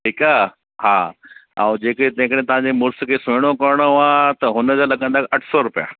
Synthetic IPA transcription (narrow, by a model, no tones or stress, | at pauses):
ʈʰiːkaː | ha̰ːã̰ːd͡ʑeːket̪ɐ̃ɦɪ̃kəɽẽt̪ɐʋ̤ãːɲd͡ʑemʊɾskʰeːseːɽ̃okɐɾɽ̃oãt̪ɐɦʊnəd͡ʑalɐɠə̃nd̪aːkɐʈʰsɔɾʊpija̰